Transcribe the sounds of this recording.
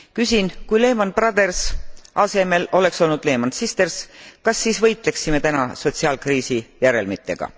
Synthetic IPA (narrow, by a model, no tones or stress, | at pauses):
kysinkujle̞ːmɑnprɑd̪̥e̞rsɑse̞me̞lo̞le̞kso̞lnud̪̥le̞ːmɑnsist̪e̞rskɑsːiːsvɤjt̪ˑle̞ksime̞t̪ænɑ̰so̞t̪siɑlkriːsijæɾe̞lmit̪ːˑe̞̰ɡ̥ɑ̰